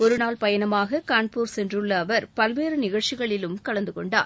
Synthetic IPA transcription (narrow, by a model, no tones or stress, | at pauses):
ɔɾɯnaːlpɐjɐnɐmaːɣɐkaːɳpuːɾsɛndrɯɭːɐːʋɐɾpɐlʋeːɾɯnɪɣɐɻt͡ʃɪɣɐɭɪlɯmkɐɭɐnd̪ɯkɔɳɖa̰ːɾ